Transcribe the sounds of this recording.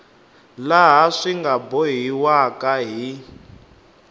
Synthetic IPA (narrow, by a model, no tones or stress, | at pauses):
laɦaʂiŋɡabɔɦiwakʼaɦi